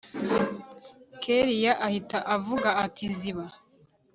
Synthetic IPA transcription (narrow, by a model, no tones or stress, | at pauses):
kʰeɾijaʔahitaʔavuɡaːtʰiziβa